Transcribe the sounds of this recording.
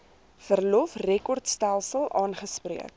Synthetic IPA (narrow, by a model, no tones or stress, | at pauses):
fərlɔfrɛkɔrtstælˠsəlˠʔɑːnχəspriək̚